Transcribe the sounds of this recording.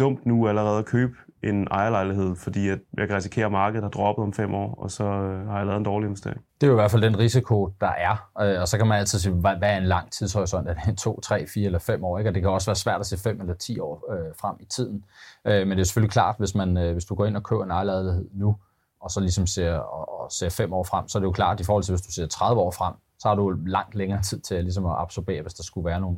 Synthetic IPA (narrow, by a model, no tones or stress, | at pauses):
d̥ɔ̽m̰d̥nuæləʁɛːð̞ˠkʰøːb̥ | e̝nɑ̈ɪɐlɑ̈ɪliɦe̝ð̞̰ˠfɒ̽d̥ḭːæd̥jäɪkʰæʁis̬i̥kʰe̝̰ːɐmɑ̈ːɡ̥əð̩ˠhɑ̈d̥ʁɒb̥əð̩ˠɒ̽mfem̰ɒ̰ːɒ̽sɒ̽hɑ̈jalɛðˠend̥ɒːlie̝nesd̥e̝ɐeŋd̥e̝æiʋæɐfæld̥enʁisikʰo̝d̥ɑ̈ʔæɐøɒ̽sɒ̽kʰæmænæl̰t͡sʰið̰ˠsḭːʋæʋæɐe̝nlɑ̈ŋ̰t͡sʰið̞ˠshɒ̽ɪsɒ̽nd̥æɐd̥et͡sʰo̝̰ːt͡sʰʁɛ̰ːfiːɐelɐfem̰ɒ̰ːeɡ̥ɒ̽d̥e̝kʰæɒ̽sʋæːɐsʋæɐ̰d̥æse̝̰ːfem̰elɐt͡sʰḭːɒ̰ːøfʁam̰it͡sʰið̞̰ˠn̩ømend̥eose̥følikʰlɑ̰̈ːd̥ʋe̝smænøʋe̝sd̥uɡ̥ɒ̰ːe̝nɒ̽kʰø̰ʊ̰ɐenɑ̈ɪlɑðˠliɦe̝ð̰ˠnu | ɒ̽sɒ̽lisɒ̽mse̝ɐɒɒse̝̰ːɐfem̰ɒ̰ːfʁam̰sɒɐɾejo̝kʰlɑ̰̈ːd̥ifɒːhɒl̰t͡sʰe̝ʋe̝sd̥u̥se̝ɐ̰t͡sʰʁäð̞ˠʋəɒ̰ːfʁam̰ | sɒ̽hɑ̈ɾulɑ̈ŋ̰d̥leŋɐːt͡sʰið̰ˠt͡sʰe̝ælis̬ɒ̽mɒɑ̈b̥sob̥e̝̰ːɐʋe̝sd̥ɑ̈sɡ̥uʋæːɐno̝ːn̩